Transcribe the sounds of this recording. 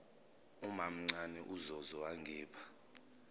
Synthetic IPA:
umam̩ŋ͡ǀanɛʔuzɔzɔwaŋɡʱɛːpʰḁ

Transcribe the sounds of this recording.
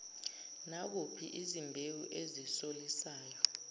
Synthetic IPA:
nak̬upʰḭʔizimbʱewuʔezisolisaːjɔ

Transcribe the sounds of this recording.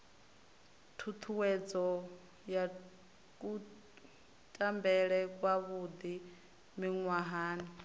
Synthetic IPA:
tʰut̪ʰuwɛd͡zɔ | ja | kʼu | tʼambɛɺɛkʼwaβud̪i | miŋwaɦaːni

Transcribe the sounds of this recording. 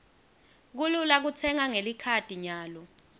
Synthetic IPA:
k̬ululak̬ut͡sʰɛŋaŋelikʰad̥ʱiɲaːlɔ

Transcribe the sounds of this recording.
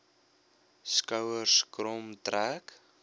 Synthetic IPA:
skɐwərskrɔmtræk

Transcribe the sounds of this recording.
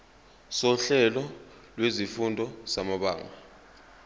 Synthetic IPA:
sɔɬɛlɔ | lwezifundʱɔsamaɓaːŋa

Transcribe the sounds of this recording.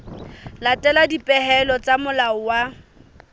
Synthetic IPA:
latʼɛladipʼɛhɛlɔt͡sʼamʊlaʊwa

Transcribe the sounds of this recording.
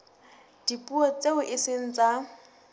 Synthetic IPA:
d̥ipʼuɔt͡sʼeʊʔɪsɪn̩t͡sʼa

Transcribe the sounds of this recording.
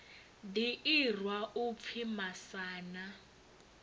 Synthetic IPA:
diir̤waup̪fʰimasaːna

